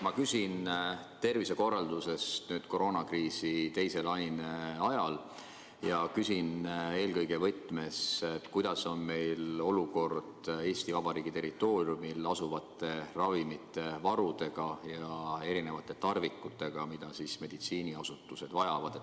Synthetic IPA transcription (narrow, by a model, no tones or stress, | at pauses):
mɑkysin | t̪e̞rvise̞ko̞rːɑld̪use̞st̪nyːd̪̥ko̞ɾo̞ːnɑkriːsit̪e̞jse̞lɑjneɑjɑl | jɑkysine̞ːlkɤjɡe̞vɤt̪ːˑme̞set̪ːˑkujd̪̥ɑso̞nme̞jlo̞luko̞rd̪̥e̞ːst̪ivɑb̥ɑɾiːɡ̥it̪e̞ɾit̪ːˑo̞ːrjumilɑsuvɑt̪ːˑe̞rɑvimit̪ːˑe̞vɑɾud̪̥e̞ɡ̥ɑjɑe̞ɾine̞vɑt̪ːˑe̞t̪ɑrvikˑːut̪ːˑe̞ɡ̥ɑmid̪̥ɑsisme̞d̪̥it̪siːniɑsut̪ːˑuse̞d̪̥vɑjɑvɑd̪̥e